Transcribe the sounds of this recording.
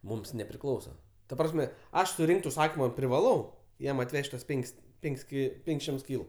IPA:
ˈmʊms nʲɛpʲrʲɪˈklˠɐʊsɐ tɐ ˈprɑːsʲmʲɛ ˈɐʃ sʊˈrʲɪŋkt ʊʃˈsɑːkʲɪmɐ pʲrʲɪʋɐˈlˠɐʊ ˈjɛm ɐtʲˈʋʲɛʃʲtʲ ˈtuɔs ˈpʲɛŋʲkʲsʲ ˈpʲɛŋʲkʲsʲ kʲɪ ˈpʲɛŋʲkʲsʲ ˈʃʲɪmts ˈkʲiːlˠʊ

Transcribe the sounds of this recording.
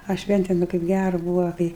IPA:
ɐ ˈʃʲʋʲɛnʲtʲeːm ɪ kɐɪp ˈɡʲærʊ ˈbuːʋɐ ˈkɐɪ

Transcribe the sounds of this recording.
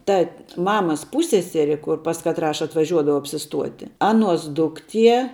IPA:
ˈtɐ ˈmɑːmɐs ˈpuːsʲsʲɛsʲɛrʲɪ kʊr pɐs kɐtˈrɑː ɐtʋɐˈʒʲuɔdɐʋɐʊ ɐpʲsʲɪˈstuɔtʲɪ ˈɑːˌnuɔs ˈdʊkˌtʲiɛ

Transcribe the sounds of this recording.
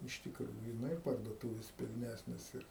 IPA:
ɪʃ tʲɪkˈruːjʊ ˈnʊ ɪr pɐrduɔˈtuːʋʲeːs pʲɪlʲˈnʲæsʲnʲeːs ɪr

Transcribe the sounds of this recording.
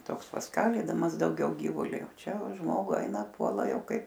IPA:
ˈtoːks pɐsˈkɑːlʲiːdɐmɐs dɐʊˈɡʲɛʊ ˈɡʲiːʋʊlʲɪ oː ˈt͡ʃʲɛ oː ˈʒmoːɡʊ ˈɛɪnɐ ˈpuɔlˠɐ ˈjɛʊ ˈkɐɪp

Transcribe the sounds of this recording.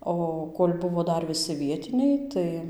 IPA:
ˈoː koːlʲ ˈbʊʋoː ˈdɐr ʋʲɪˈsʲɪ ˈʋʲiɛtʲɪnʲɛɪ ˈtɐɪ

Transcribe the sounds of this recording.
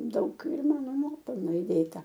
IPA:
ˈdɐʊk ɪr ˈmɑːnoː ˈnuɔpʲɛlˠnoː iːˈdʲeːtɐ

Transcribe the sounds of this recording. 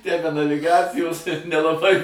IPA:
tʲæː bʲɛ nɐʋʲɪˈɡɑːt͡sʲɪjoːs ɪr nʲɛlˠɐˈbɐɪ

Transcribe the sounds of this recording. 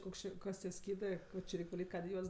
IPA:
ˈkoːks t͡ʃʲɪ ˈkɐs tʲiɛ ˈsʲkʲiːdɜ ˈkoː t͡ʃʲɪ ˈrʲɛɪkʲ ʋɐˈlʲiːtʲ ˈkɑːdʲeː ˈjuɔs

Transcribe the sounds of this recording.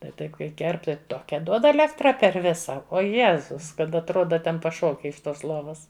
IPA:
tɐɪ ˈtɐɪp kɐɪ ˈkʲɛrp ˈtɐɪ ˈtoːkʲɛ duɔt ɐˈlʲæːktrɐ pʲɛr ˈʋʲɪsɐ ˈoː ˈjeːzʊs kɐt ɐtˈroːdɐ ˈtʲɛn pɐˈʃoːkʲɪ ɪʃ ˈtoːs ˈlˠoːʋɐs

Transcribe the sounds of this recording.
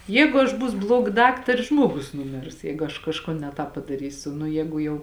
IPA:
ˈjɛɪɡʊ ɐʃ ˈbuːsʊ ˈblˠuɔɡɐ ˈdɑːktɐrʲɪ ˈʒmuɔɡʊs nʊˈmʲɪrs ˈjɛɪɡʊ ɐʃ kɐʃˈkoːn nʲɛ ˈtɑːp pɐdɐˈrʲiːsʲʊ nʊ ˈjɛːɡʊ jɛʊ

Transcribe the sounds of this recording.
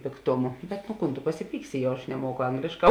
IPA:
pʲeːkˈtoːmʊ bʲɛt nʊ ˈkuːn tʊ pɐsʲɪˈpʲiːksʲɪ jɛʊ ɐʃ nʲɛˈmuɔkʊ ˈɐŋɡlʲeːʃˌkɑː

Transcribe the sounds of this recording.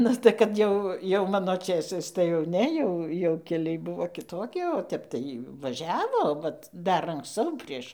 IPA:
ˈnʊ tɐɪ kɐt ˈjɛʊ jɛʊ ˈmɑːnoː ˈt͡ʃʲeːsɐɪs tɐɪ jɛʊ ˈnʲɛ jɛʊ jɛʊ kʲɛˈlʲɛɪ ˈbʊʋoː kʲɪˈtoːkʲɪ oː ˈtʲɛp tɐɪ ʋɐˈʒʲæːʋoː ˈʋɐt ˈdɐr ɐŋksˈt͡sɐʊ ˈpʲrʲiɛʃ

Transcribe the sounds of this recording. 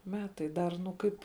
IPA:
ˈmʲæːtɐɪ ˈdɐr nʊ ˈkɐɪp

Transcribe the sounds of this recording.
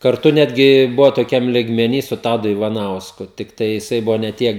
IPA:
kɐrˈtʊ ˈnʲæːdʲɡʲɪ ˈbʊʋoː toːˈkʲɛm lʲɪɡmʲɛˈnʲiː sʊ ˈtɑːdʊ ɪʋɐˈnɐʊskʊ tʲɪkˈtɐɪ jɪˈsɐɪ ˈbʊʋoː nʲɛ ˈtʲiɛk

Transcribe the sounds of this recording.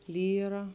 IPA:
ˈlʲiːrɐ

